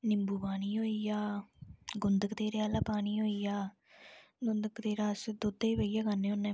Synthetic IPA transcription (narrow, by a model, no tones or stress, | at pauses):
nɪmbuːbaːñiːɦoːijaː | ɡʊnd̪əkd̪eːɾeaːlaːpaːɳiːɦoːiːjaː | ɡʊnd̪əkd̪eːɾaːsd̪ʊd̪eʋəijaːkənːeːʊnːẽː